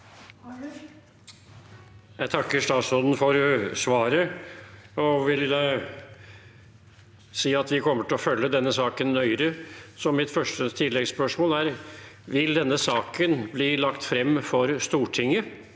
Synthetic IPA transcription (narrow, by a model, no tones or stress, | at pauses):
jæɪt̪ʰɑkːəɾʂt̪ɑːt̪sɔnd̪n̩fɔɾsʋɑːɾə | ɔʋɪl | siːɑt̪ʋɪkʰɔmːəʈɪɔfœlːəd̪ɛnːəsɑːkənːœʏɾəsɔmɪt̪fœʂʈət̪ʰɪlːɛɡspœʂmoːlæɾʋɪld̪ɛnːəsɑːkənbliːlɑkt̪fɾɛmːfɔɾst̪uːʈʰɪŋːə